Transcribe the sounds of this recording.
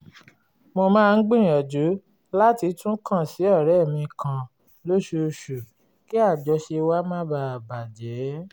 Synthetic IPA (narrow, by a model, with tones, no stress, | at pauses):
mo˧mãː˦˧n̩˦ɡ͡bĩ˦˨ɔ˨d͡ʒu˨˦ | la˦ti˧tũ˦kã˦˨si˨˦ɔ˦˨ɾɛ˦˨mĩ˧kʰã˧ | lo˦ʃu˧ʃu˨ | ki˦a˦˨d͡ʒɔ˧ʃe˧wa˦mã˦ba˧˨ba˨d͡ʒɛ˨˦